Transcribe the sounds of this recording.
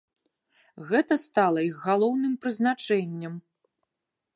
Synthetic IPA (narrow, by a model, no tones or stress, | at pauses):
ɣɛt̪ɐst̪alˠɐixɣalˠɔwnɨmpɾɨznat͡ʂɛnʲːɐm